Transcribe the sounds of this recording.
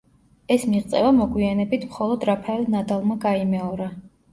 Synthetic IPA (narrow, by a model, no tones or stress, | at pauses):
ɛsmiʁt̪sʼɛ̰vamɔɡwianɛbit̪ʰmχɔlˠɔd̪ɾapʰɛlnad̪alˠmaɡaimɛɔɾa